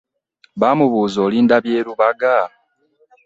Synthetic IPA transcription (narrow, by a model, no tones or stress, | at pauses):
βaːmuβuːzo̞ːliːndaβje̞ːɾuβaɡa